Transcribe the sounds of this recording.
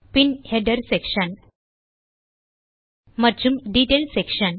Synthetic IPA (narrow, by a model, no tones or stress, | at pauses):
pinheɖəɾsekɕən | məɾd͡ʑumɖiʈelsekɕən